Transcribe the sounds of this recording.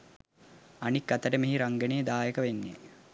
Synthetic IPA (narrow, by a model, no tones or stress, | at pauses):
anikːɐt̪əʈəmeɦiɾaŋɡənejːd̪aːjəkəʋenːḭ